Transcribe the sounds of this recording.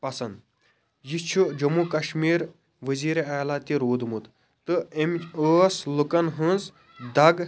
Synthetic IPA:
pɐsɐnd̪ | jit͡ʃʰud͡ʒɐmukɐʃmiːɾ | ʋəziːɾeaːjlat̪iɾoːd̪mut̪ | t̪ɨemoslukɐnɦɨ̃nz | d̪ɐɡ

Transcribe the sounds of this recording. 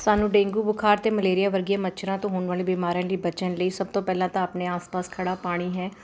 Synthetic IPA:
saːnũːɖẽːŋɡuːbʊkʰaːɾt̪eːməleːɾɪjaːʋəɾɡiãːmət͡ʃʰɾãːt̪õːɦʊɳʋaːleːbiːmaːɾãliːbət͡ʃənləiːsəb̚t̪õːpɛːlãːt̪ãːəpneːaːspaːskʰəɽaːpaːɽ̃iːɦɛː

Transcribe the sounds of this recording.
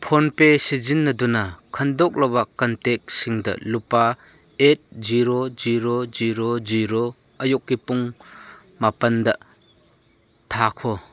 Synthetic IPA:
pʰonpesizinːɐdɔnakʰɐndɔk̚labɐkɐntek̚siŋdɐ̰lupa | et̚ziɾoziɾoziɾoziɾo | ɐjɔkːipuŋ | mapɐndɐ | tʰakʰɔ

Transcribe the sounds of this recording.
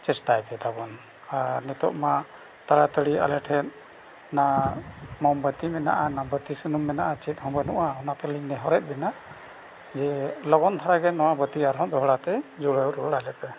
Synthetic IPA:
t͡ʃɛsʈajpɛt̪abɔn | aɾnit̪ɔʔma | t̪aɽat̪əɽia̰lɛʈʰɛt̪̚ | na | mɔmbət̪imɛna̰ʔanabət̪isunumːɛnaʔat͡ʃɛt̪̚ˀhɔ̃mbənṵʔaɔnat̪ɛliɲnɛɦɔɾɛt̪̚bɛnaʔ | d͡ʒɛlɔɡɔnt̪ʰaɾaɡɛnɔwabət̪iaɾɦɔ̃d̪ɔɦɽat̪ɛd͡ʒuɽəwɾɔɽalɛpɛ

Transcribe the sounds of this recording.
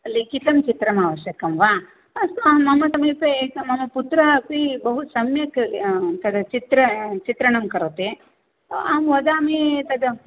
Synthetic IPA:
ɐlːikit̪ɐmt͡ʃit̪ɾɐmaːʋɐʃjɐkɐmʋaː | ɐst̪mɐmɐt̪ɐmipemɐmɐput̪ɾaɐpibɐɦusɐmjɐkt̪ɐd̪ɐt͡ʃit̪ɾɐt͡ʃit̪ɾɐɳɐmkɐɾot̪e | aːmʋɐd̪aːmet̪ɐd̪ɐ

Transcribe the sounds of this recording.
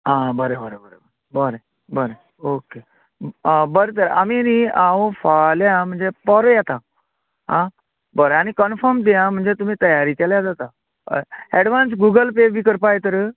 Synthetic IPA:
ɦãbəɾebəɾebəɾḛbəɾebəɾe | bəɾe | oke | bəɾet̪əɾaminiaɦõfaljam̤əɳd͡zepɔɾojat̪a | ɦã | bəɾəaɽ̃ikənfəɾmd̪ijãm̤əɳd͡zet̪um̤iːt̪əjaɾikɛljad͡zat̪a | ɛɽʋãnsɡuɡəlpebʱiːkəɾpajt̪əɾ

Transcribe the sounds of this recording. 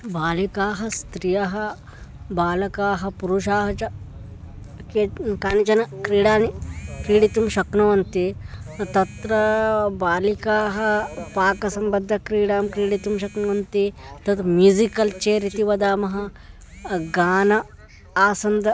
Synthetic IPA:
baːlikaːɦɐst̪ɾijɐɦɐ | baːlɐkaːɦɐ̆puɾuʃaːɦɐt͡ʃɐ | kekaːnit͡ʃɐnɐkɾiːɽaːnikɾiːɽit̪umʃɐknɐʋɐnt̪it̪ɐt̪ɾɐbaːlikaːɦɐpaːkɐsɐmbɐd̪ʱːɐkɾiːɽaːmkɾiːɽit̪umʃɐknɐʋɐnt̪it̪ɐt̪mjuzikɐlt͡ʃeːɾit̪iʋɐd̪aːmɐɦɐ̆ | ɡaːnɐ | aːsɐnd̪ɐ

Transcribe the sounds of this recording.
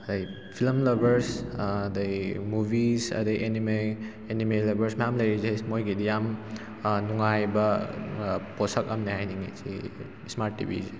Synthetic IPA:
ɐdɐj | pʰilmlɐbɐɾsdɐjmubʱisɐ̰dɐjʔenime | enimelɐbɐɾsmɐjamlɐjɾizejmojɡidijam | nuŋajbɐ | posɐk̚ɐmnehajniŋezḭ | smaɾtːḭbʱḭze

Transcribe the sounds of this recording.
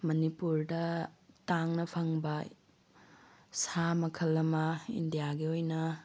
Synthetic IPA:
mɐnipuɾdɐtaŋnɐpʰɐŋbɐ | samɐkʰɐlːɐmɐḭndijaɡiojnɐ

